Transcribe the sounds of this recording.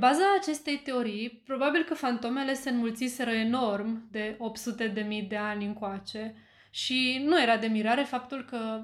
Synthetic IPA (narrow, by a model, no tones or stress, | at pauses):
bazaːt͡ʃe̞st̪e̞jt̪e̞o̞ɾijpɾo̞babilkəfant̪o̞me̞le̞se̞ɨnmult̪sise̞ɾəe̞no̞rmd̪e̞o̞pt̪sut̪e̞d̪e̞mid̪e̞anʲɨŋkoat͡ʃe̞ | ʃinuje̞ɾad̪e̞miɾaɾe̞fapt̪ulkə